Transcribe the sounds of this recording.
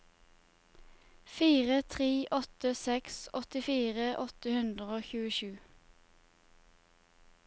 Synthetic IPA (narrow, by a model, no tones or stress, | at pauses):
fiːʁət̪ʰʁeːʔɔt̪əsɛksɔt̪ɪfiːʁəʔɔt̪əhʉnd̪ʁəoːçʉːəʃʉː